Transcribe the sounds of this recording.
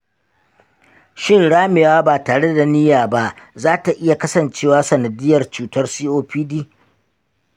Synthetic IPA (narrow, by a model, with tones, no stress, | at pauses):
ʃɪ˦nɽaː˦mɪ˨waː˦baː˨taː˨ɽe˦da˨nɪ˦jaː˨ba˦ʔzaː˦ta˨ʔɪ˦ja˨kɐ˦sɐ˨nt͡ʃeː˦waː˦sɐ˨nɐ˨dɪ˦jːɐ˨rt͡ʃuː˨tɐ˦rsiː˦ʔoː˦ɸiː˦diː˦